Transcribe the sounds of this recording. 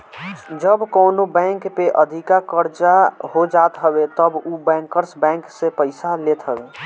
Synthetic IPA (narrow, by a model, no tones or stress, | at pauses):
d͡ʒəbkoːnobɛ̃ːŋkpeʔəd̪ʱikakəɾt͡ʃaɦod͡ʒaːt̪ɦəbet̪əbubɛ̃ːŋkəɾsbɛ̃ːŋksepəɪsalet̪ɦəbe